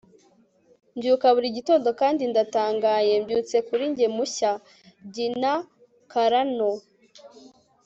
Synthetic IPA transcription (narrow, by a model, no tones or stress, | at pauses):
mbjuːkaβuɾiɟito̞ndo̞kaːndindataːŋɡaːje̞mbjuːt͡se̞kuɾiɲɟemuça | ɟina | kaɾano